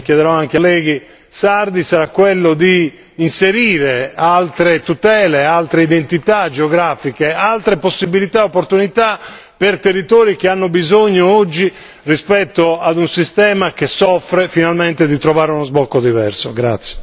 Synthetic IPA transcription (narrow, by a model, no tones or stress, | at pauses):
kjɛðɛɾɔaŋk̟lːɛːɡi | saɾd̪isaɾakːwelːod̪iː | nseɾiːɾealt̪ɾet̪ut̪ɛːlealt̪ɾeid̪ent̪it̪ad͡ʒeoɡɾaːfikealt̪ɾeposːibilit̪aeopːoɾt̪unit̪a | pert̪erːit̪ɔːɾik̟eanːobizoɲːoɔd͡ʒːi | rispɛt̪ːoad̪unsist̪ɛːmakesɔfːɾefinalmɛnt̪ed̪it̪ɾɔvaːɾeunozbɔkːod̪ivɛ̰rsoɡɾa̰t̪sːje̥